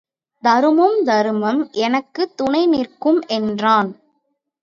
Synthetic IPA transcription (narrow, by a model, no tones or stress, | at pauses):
d̪ɐɾɯmɯmd̪ɐɾɯmɐmʔɛnɐkːɯt̪ːʊnɐɪnɪrkɯmʔɛndraːn